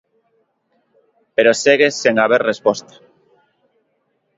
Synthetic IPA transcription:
peɾoseɣesːeŋaβ̞eɾrespɔst̪ḁ

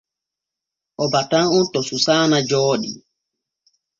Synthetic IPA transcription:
ʔɔbatanɔntɔsusaːnad͡ʒɔːɗḭ

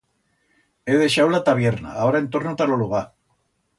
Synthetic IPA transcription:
eð̞e̞ʃawlat̪aβ̞jeɾna̰ːoɾaent̪o̞ɾnot̪aloluɣ̞a

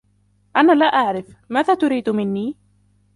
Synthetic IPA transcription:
ʔanaːlaːʔaʕɾɪfmaːðaːt̪ʊɾiːd̪mɪnːiː

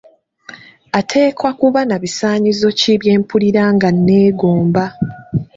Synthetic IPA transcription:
atʰe̞ːkwakuβanaβisaːɲizo̞ciβje̞ːmpuliɾaːŋɡanːe̞ːɡo̞ːmba

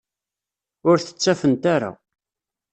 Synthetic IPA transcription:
ʊɾθə̥t͡sːæfənt̪aɾa̰

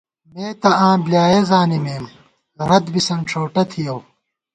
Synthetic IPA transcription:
meːt̪ɐãːbljaːjezaːnimeːm | ɾɐd̪bisɐnʈ͡ʂʰoːʈɐt̪ʰijɐw

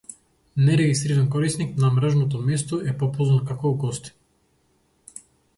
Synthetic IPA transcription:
nɛɾɛɡist̪ɾiɾɛnkɔɾisniknamɾaʒnɔt̪ɔmɛst̪ɔɛpɔpɔzankakɔːɡɔst̪i̥

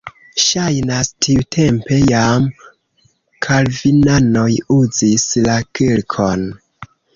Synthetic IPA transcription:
ʃajnastʰiutʰe̞mpe̞jam | kʰalvinano̞juzislakilkʰo̞n

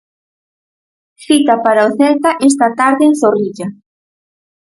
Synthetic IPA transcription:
θit̪apaɾaoθɛlt̪aʔes̬t̪at̪aɾðeːnsoriʎa

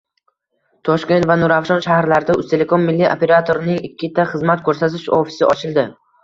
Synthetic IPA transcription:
t̪ʰɒʃkʲe̞nt̪vanʊɾafʃɒnʃahɾlaɾɪd̪aʊst̪ʰe̞le̞kʰo̞mːɪlːiʔope̞ɾat̪ʰoɾnɪŋɪkʲʰːɪt̪ʰaχɨzmat̪̚kʰɵɾsat̪ʰɪʃofi̥sɪʔɒ̰t͡ʃʰɪlˠd̪ɪ

